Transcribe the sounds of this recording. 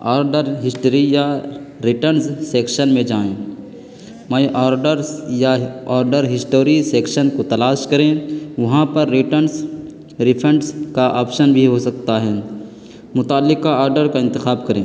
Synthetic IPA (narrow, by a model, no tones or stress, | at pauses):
aːɾɖəɾɦɪsʈəɾijaɾɪʈənsːeːkʃənmẽd͡ʒaːẽː | mɐ̃ʔaːɾɖəɾjaaːɾɖəɾɦɪsʈoːɾiseːkʃənkot̪ɐlaːʃkɐɾẽʋɐɦãpɐɾːɪʈəns | ɾɪpʰə̃ɳʈskaʔaːpʃənbʱiɦosɐk̚t̪aɦɛː | mʊt̪aːlːɪkaaːɾɖəɾkaɪ̃nt̪ɪxaːbkɐɾẽː